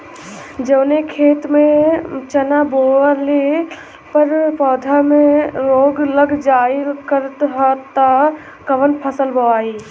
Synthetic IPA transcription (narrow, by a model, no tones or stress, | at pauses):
d͡ʒəːnekʰeːt̪mẽt͡ʃənaboːəle | pəɾpɔːd̪ʱamẽɾoːɡləɡd͡ʒaːikəɾt̪ɦat̪a | kəʋənpʰəsəlbəʋaːiː